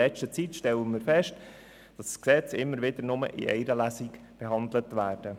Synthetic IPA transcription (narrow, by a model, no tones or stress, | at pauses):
ɛt͡ʃtət͡sitʃtɛlənmɪːɾfɛʃt | d̥ɑssksɛt͡sɪmːəɾʋɪdəɾnʊmə̰ʔɪ̰ʔɛ̰ɪɾəlæsik | b̥ɛɦɑndlətʋæːrd̥ə